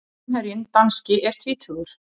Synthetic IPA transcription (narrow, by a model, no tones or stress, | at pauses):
ɛɾjɪnt̪anscɪʔɛɾ̥t̪ʰviːt̪ʰʏɣʏɾ̥